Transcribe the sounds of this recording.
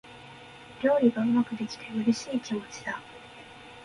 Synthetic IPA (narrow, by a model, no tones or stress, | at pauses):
ɾʲo̞ːɾʲiɡaɯ̟βakɯ̟bekʲi̥d̪eɯ̟ɾɯ̟ɕiːkʲimo̞t͡ɕi̥d̪a